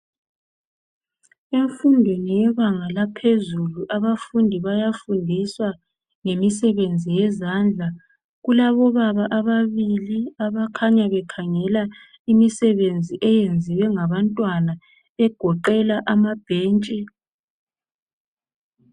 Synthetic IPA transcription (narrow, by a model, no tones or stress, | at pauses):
eɱfundʱwenijɛβaŋalapʰezuluʔaβafundʱiβajafundʱiswa | ŋemisɛβend͡zʱijɛzand͡ɮʱa | ɣulaβɔβaβaʔaβaβiliaβakʰaɲaβɛkʰaŋɛla | imisɛβend͡zʱiʔɛjend͡zʱiwɛŋaβantʼwana | ɛɡ̥ʱɔǃɛlaʔamab̥ʱeːnt͡ʃʼɛ